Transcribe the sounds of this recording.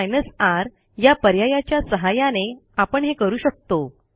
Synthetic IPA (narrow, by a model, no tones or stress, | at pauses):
jnəsaɾ | japəɾjajat͡ɕjasəɦajaneapəɳɦekəɾuːɕək̚t̪o